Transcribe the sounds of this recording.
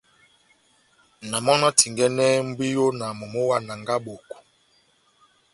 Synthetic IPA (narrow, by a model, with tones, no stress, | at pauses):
na˨mɔ˦nɔ˦tʰi˨ŋɡɛ˦nɛ˦m̩˦bi˦jo˦na˨mo˨mo˦wa˦na˨ŋɡa˦bo˨k